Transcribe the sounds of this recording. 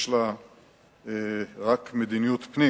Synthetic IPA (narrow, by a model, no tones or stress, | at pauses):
ʃla | eʁakmed̪inijut̪pni